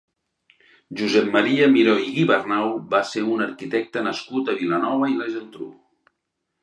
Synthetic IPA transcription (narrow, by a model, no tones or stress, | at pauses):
ʒuzɛp̚mːəɾiəmiɾoiɣiβərnawbaseunəɾkit̪ɛk̚t̪ənəskut̪əβilənɔβəilɛʒənt̪ɾṵ